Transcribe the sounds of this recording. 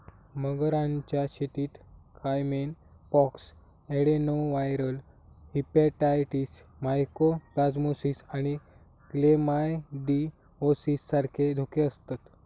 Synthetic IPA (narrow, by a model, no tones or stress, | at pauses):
məɡɾãɲt͡ɕjaɕet̪iːt̪kʰajmen | pɔks | eɽenowʋajɾəl | hipeʈajʈis | majkopɾad͡zmosisaɽ̃i | klemajɖi | osisːaɾkʰed̪ʱokeəst̪at̪